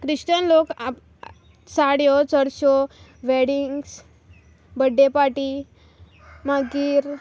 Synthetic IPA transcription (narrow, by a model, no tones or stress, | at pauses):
kɾiɕʈənlok | saɽjɔt͡səɽɕɔ | ʋeɽiŋɡs | bəɖʱːepaʈi | maɡiːɾ